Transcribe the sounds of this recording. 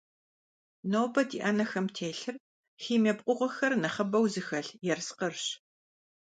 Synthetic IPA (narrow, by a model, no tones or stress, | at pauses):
noːbɐdḭːʔaːnɐxɐmtʰeːɬɨr | xiːmeːbqʷʊʁʷɔxɐrnɐχɐbɐwzɨxɐɬjɛrsqərɕ